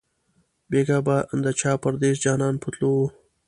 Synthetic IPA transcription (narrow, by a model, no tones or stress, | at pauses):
beːɡabaənd̪at͡ʃɑːpaɾd̪ezd͡ʒɑːnɑːnpʰut̪low